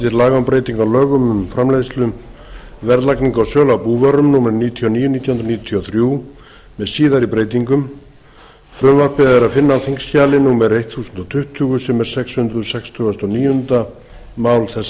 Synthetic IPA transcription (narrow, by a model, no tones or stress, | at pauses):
t̪ɪɾlaːɣampɾeːjt̪iŋkawlœːɣʏmʏmfɾamlejðst̪lʏmvɛɾðlakniŋkawsœːlawpuːvœɾʏmnuːmɛɾniːjt̪ʰiɔniːjʏniːt̪jahʏnɾaniːjt̪ʰiɔθɾjuː | mɛðsiːðaɾipɾeːjt̪̬iŋkʏm | fɾʏmvaɾpɛðaɛɾaðfɪnːaθiŋkscaːlɪnuːmɛɾejht̪θuːsʏnt̪ɔt̪ʰʏht̪ʰʏɣʏsɛmɛɾ̥sɛkshʏnd̪ɾʏsɛkst̪ʰʏɣast̪ɔniːjʏhʏnt̪a | maːwlθɛsa